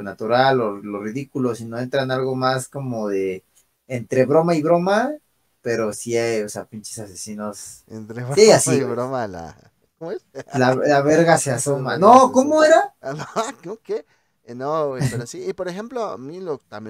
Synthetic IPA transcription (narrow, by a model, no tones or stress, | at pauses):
nat̪uɾalolo̞riðikulosinoe̞nt̪ɾanalɣo̞masko̞moðeː | nt̪ɾe̞βɾo̞maiβɾo̞ma | pe̞ɾo̞siajosea̰pint͡ʃe̥sasesinosent̪ɾeβaasiβɾomala̰ | komoeslalaβe̞ɾɣase̞aso̞manokomoe̞ɾanokooke | nopeɾosiːpoɾexemploa̰milot̪amje